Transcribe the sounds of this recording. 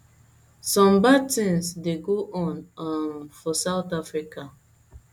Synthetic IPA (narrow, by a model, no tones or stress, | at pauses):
sɔ̃mbatĩnsdeɡoʔɔ̃namfɔsaʊtafɹika